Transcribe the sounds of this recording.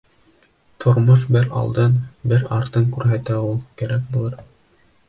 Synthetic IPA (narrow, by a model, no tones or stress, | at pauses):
t̪ʰŏɾmoʃ̬bɘɾɑ̰lˠd̪ɤnbɘɾɑɾt̪ɤŋkʉɾɦæt̪æulˠkæɾæk̚bulˠɤɾ